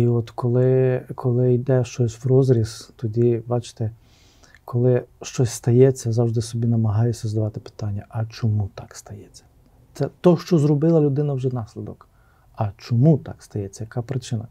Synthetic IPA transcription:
iɔt̪kɔlˠɪkʰɔlˠɪjd̪ɛʃt͡ʃɔsʲwrɔzɾʲist̪ɔdʲibɑt͡ʃɪ̥t̪ɛ | kʰɔlˠɪʃt͡ʃɔsʲst̪ɐjɛt͡sʲːɐzɑwʒd̪ɪsɔbʲinɐmɐɦɑjɛsʲːɐzd̪ɐʋɑt̪ɪ̥pɪ̥t̪ɑnʲːɐʔɐt͡ʃɔmut̪ɑkst̪ɐjɛt͡sʲːɐ̥ | t̪sɛt̪ɔʃt͡ʃɔzɾɔbɪlˠɐlʲʊd̪ɪnɐwʒɛnɑsʲlʲɪd̪ɔk | ɐt͡ʃɔmut̪ɑ̰kst̪ɐjɛt͡sʲːɐjɐkɑpɾɪt͡ʃɪnɐ

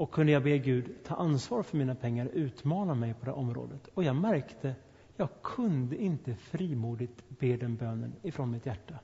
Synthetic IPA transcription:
ɔkʰːɵnd̪əjɑːɡbeːɡʉ̟ːd̪t̪ʰɑ̰ːʔansvɑːɾfœɾmiːnapʰɛŋːaɾɔʔʉ̟ːt̪mɑːnamɛjpʰɔd̪ɛ̰ːʔɔmɾo̰ːd̪ət̪ɔjɑːɡmæɾkt̪ʰə | jɑːɡ̚kʰɵnd̪əɪnt̪əfɾiːmuːd̪ɪt̪beːd̪ɛnbøːnə̰nɪfɾɔnmɪt̪jæʈːa

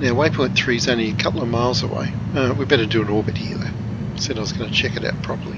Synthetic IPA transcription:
naʊweɪpʰɔ̃ɪ̃nθɹizõʊ̃nliɨkʰʌpl̩ˠəvmaɪlˠzə̰wḛɪ | ʌwibɛɾədɨə̃nɔɹbɨt̚hḭðə̰ | sɛɾaɪwʌzɡʌnət͡ʃʰɛkɨɾa̰ʊt̚pʰɹ̥ɑpə˞lˠi

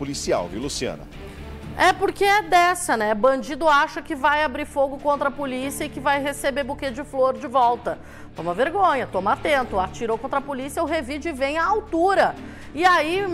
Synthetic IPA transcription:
polisia̰wviwlusiɐ̰̃nɐ̰ | ɛpoɾkeɛd̪ɛsɐnɛbɐ̃d͡ʒid̪ʊaʃɐkɪvajabɾiɾfoɡʊkõnt̪ɾɐpolisiɐɪkɪvajɦesebebuket͡ʃɪd͡ʒɪfloɾd͡ʒɪvɔwt̪ɐ | t̪õmɐveɾɡõɲɐt̪õmat̪ẽnt̪ʊat͡ʃiɾowkõt̪ɾɐpolisiɐʊɦevid͡ʒɪɪvẽj̃ɐawt̪uɾɐ | ɪai

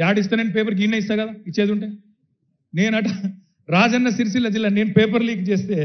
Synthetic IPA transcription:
jaːɖis̬t̪aːnenipeːpɐɾkinːɐis̬t̪aːɾkɐd̪aːit͡ʃːe̞ːd̪uɳʈeː | ne̞ːnɐʈɐ | ɾaːd͡ʒɐnːɐsiɾs̬ilːɐd͡ʒilːane̞ːnupeːp̬ɐɾliːk̚t͡ʃeːst̪e̞ː

